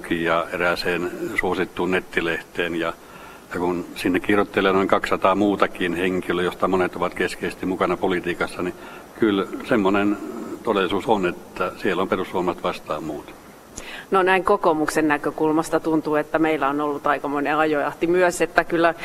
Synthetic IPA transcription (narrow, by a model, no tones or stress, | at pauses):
kijɑːeræseːnsuosit̪ːuːnnet̪ːileht̪eːnjɑ | jɑkunsinːekkirot̪ːelːˑeːnoiŋkɑkssɑt̪ɑːmuːt̪ɑkinheŋkiløjost̪ɑmonet̪oʋɑt̪keskeˑise̥st̪imukɑnɑpolit̪iːkɑsːɑni | kylsemːonent̪odelːˑisuːsonet̪ːæsielːomperusʋuomɑst̪ʋɑst̪ɑːmmuːt̪ | nonæiŋkokomuksennækøkulmɑst̪ɑt̪unt̪uːet̪ːæmeilːæonolːut̪ɑikɑmoneɑjoɑht̪imyøset̪ːækylːæ